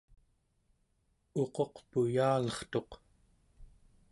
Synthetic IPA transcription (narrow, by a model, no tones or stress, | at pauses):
o̞qo̞qpujaːlʌχt̪o̞q